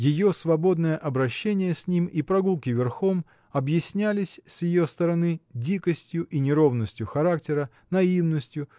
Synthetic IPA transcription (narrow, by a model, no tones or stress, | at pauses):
jɪjosvɐbo̞d̪nəjəʔɐbɾɐɕːenʲɪjəsʲnʲimipɾɐɡulˠkʲɪvʲɪrxo̞m | ɐbjɪsʲnʲælʲɪsʲsjɪjost̪əɾɐnɨdʲikəsʲtʲjʊʔinʲɪɾo̞vnəsʲtʲjʊxɐɾaktʲɪɾə | nɐivnəsʲtʲjʊ